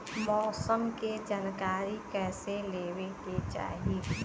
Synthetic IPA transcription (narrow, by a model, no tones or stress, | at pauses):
mɔːsəmked͡ʒaːnkaːɾikɛːseleːweket͡ʃa̰ːɦe